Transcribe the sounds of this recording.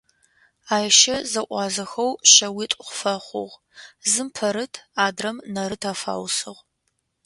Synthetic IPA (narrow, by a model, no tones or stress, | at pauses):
aːjʃɐzɐʔʷɑːzɐxɐwɕɐwitʷʼχʷfɐχʷʊ̰ʁ | zɨmpʰɐɾɨtʰaːdrɐmnɐɾɨtʰaːfa̰ːwsɨʁ